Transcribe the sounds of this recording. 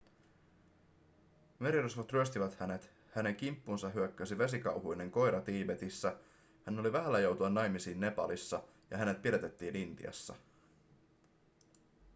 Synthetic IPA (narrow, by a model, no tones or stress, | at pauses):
me̞ɾirusʋot̪ryøst̪iʋæt̪hæne̞t̪ | hæne̞ŋk̟impːunsɑɦyøkːæsiʋes̬ikɑwɦujne̞ŋko̞jɾɑt̪iːbe̞t̪isːæ | hænːo̞liʋæɦælːæjo̞wt̪uɑnːɑjmisiːnːe̞pɑ̰lisːɑ | jɑɦæne̞t̪̚pilet̪e̞t̪ːiːnint̪ḭɑ̰sːɑ̰